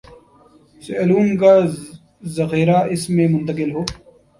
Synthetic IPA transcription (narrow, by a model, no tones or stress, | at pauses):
seluːnkaː | zɐxeːɾaɪsmẽmʊ̃nt̪ɐkɪlɦoː